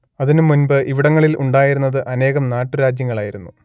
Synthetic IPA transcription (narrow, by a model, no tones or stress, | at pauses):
ɐðinumunbɨʔiʋiɽɐŋːɐɭilʔuɳɖaːjiɾunːɐðɨʔɐne̞ːɣɐmnaːʈːuɾaːd͡ʑjɐŋːɐɭaːjiɾunːu